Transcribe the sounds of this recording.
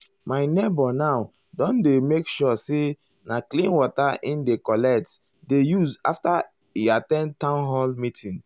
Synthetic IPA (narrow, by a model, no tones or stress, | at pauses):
maɪnebɔnaw | dɔ̃ndemekʃɔse | naklĩnwɔtaʔĩndekɔlɛt | dejuza̰fta | atɛ̃ntãʊnɦɔlmitʰĩn